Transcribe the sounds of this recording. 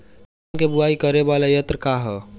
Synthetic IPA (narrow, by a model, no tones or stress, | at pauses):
kebʊaːikɐɾeʋaːlajət̪ɾəkaɦɛː